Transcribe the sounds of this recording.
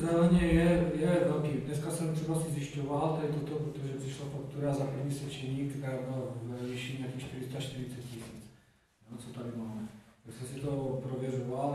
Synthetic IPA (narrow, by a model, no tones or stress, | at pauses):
t͡sɛlɲɛjɛjɛvɛlkiːdnɛskasɛmt̪r̥ɛbasɪzjɪʃcovalt̪adɪt̪ot̪opɾot̪oʒɛpr̥ɪʃlafakt̪uɾazapɾ̩vɲiːsɛt͡ʃɛɲiːkt̪ɛɾaːjbɪlvviʃimnacɛmʃt̪ɪɾɪst̪aʃt̪ɪɾɪt͡sɛt̪̚cisḭːt͡s | ot͡sot̪adɪmaːmɛt̪aksɛmsɪt̪opɾovjɛɾoval